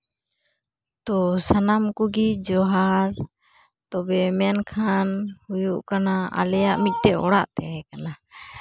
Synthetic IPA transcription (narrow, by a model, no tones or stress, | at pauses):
t̪ɔsanamkuɡid͡ʒɔɦaɾ | t̪ɔbɛmɛnkʰanhujuʔkanaa̰lɛjaʔmic̪̚ˀʈɛʔɔɽaʔt̪ɛɛkana